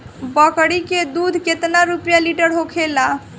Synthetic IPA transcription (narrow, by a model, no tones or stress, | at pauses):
bəkɽiked̪ud̪ʱket̪naɾupjaliʈəɾɦokʰela